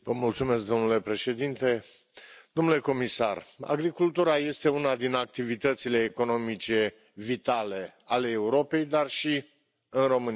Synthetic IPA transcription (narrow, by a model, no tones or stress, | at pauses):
vəmult̪sume̞s̬k̚d̪o̞mnule̞pɾe̞ʃe̞d̪int̪e̞ | d̪̥o̞mnule̞ko̞misa̰ra̰ɡɾikult̪uɾaje̞st̪e̞unad̪inak̚t̪ivit̪ət̪sile̞ːko̞no̞mit͡ʃe̞ | vit̪ale̞ale̞ːuɾo̞pe̞jd̪arʃi | ɨnro̞mɨni